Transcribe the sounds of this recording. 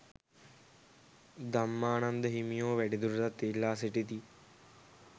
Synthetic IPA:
d̪amːaːnand̪əɦimijoːʋæɖid̪uɾut̪at̪ːelːaːseʈit̪i

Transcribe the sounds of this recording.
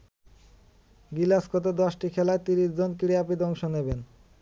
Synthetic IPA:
ɡilaskʰot̪̬ed̪ɔʃʈikʰɛlaet̪iɾiʃd͡ʑonkiɽiapid̪ɔŋʃoneben

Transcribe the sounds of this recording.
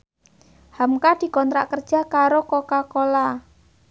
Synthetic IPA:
hamkad̪̥i̤kɔnt̪ɾa̰ʔkərd̥ʒ̥a̤kaɾokokakola

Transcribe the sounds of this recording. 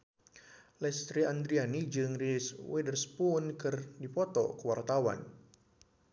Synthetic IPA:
lɛst̪ɾiand̪ɾianid͡ʒɨŋriswɛdərspʊnkɨrdipɔt̪ɔ̰kəwart̪awa̰n

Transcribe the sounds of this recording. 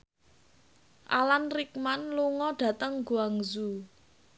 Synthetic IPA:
ʔa̰lanrik̚manluŋɔɖ̥ä̤t̪əŋɡuaŋzu

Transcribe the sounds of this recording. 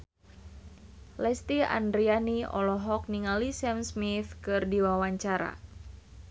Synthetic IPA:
lɛst̪ia̰ndɾianiɔ̰lɔɦɔk̚niŋalisɛmsmiθkɨrdiwawaɲt͡ʃaɾa̰

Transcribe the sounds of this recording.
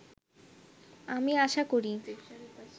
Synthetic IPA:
amiaʃakoɾi

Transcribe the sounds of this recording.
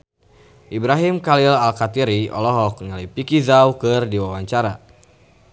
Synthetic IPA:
ʔibɾaɦimkalilalkat̪iɾiɔ̰lɔɦɔk̚ŋalipikizaukɨrdiwawaɲt͡ʃaɾa

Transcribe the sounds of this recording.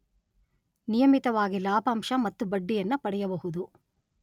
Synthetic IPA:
nijɐmit̪ɐʋaːɡilaːpaːmʂɐmɐt̪ːubɐɖːijɐnːɐpɐɽɛjɐbɐɦud̪u

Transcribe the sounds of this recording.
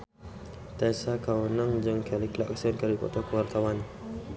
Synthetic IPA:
t̪asakawənaŋd͡ʒəŋkɛlikla̰ksɛnkaɾikɔ̰t̪akəwart̪awan

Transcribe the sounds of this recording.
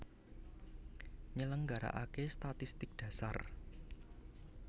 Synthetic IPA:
ɲələŋɡaɾa̰ʔakest̪at̪ist̪ɪk̚d̥ä̤sa̰r

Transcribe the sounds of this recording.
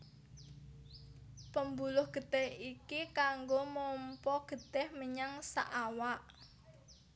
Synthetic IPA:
pəmbulʊhɡ̥ə̤d̪̥ɛhikikaŋɡomɔmpɔɡ̥ə̤d̪̥ɛhməɲaŋsa̰ʔawaʔ

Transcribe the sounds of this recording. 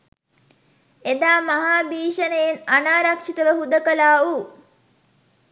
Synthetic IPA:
ed̪aːmaɦaːbiːʃənejenanaːɾakʂit̪əʋəɦud̪əkəlaːu

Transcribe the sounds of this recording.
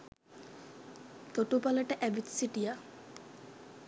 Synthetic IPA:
t̪oʈupaləʈəʔɛbit̪siʈija

